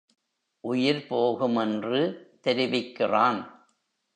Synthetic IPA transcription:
ʔʊjɪɾpoːɣɯmɛndrɯt̪ɛɾɪʋɪkːɪraːn

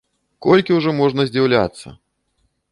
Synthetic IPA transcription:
kɔlʲkʲiwʐɔmɔʐnɐzʲd͡zʲawlʲa̰t̪sːɐ̰

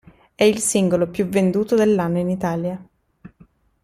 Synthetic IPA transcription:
ɛilsiŋɡolopjuvend̪uːt̪od̪elːanːoinit̪aːlja

